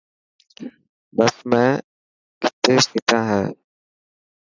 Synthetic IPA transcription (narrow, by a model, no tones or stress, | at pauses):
bəsmɛ̃ː | kɪt̪ːeːsɪt̪ãːɦɛː